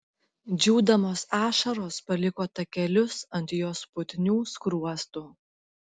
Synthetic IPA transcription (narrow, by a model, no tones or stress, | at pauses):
d͡ʒʲuːd̪ɐmoːsɑːʃɐɾoːspɐlʲɪkoːt̪ɐkʲɛlʲʊsɐnʲt̪ʲjoːspʊt̪ʲnʲuːskɾuɔst̪uː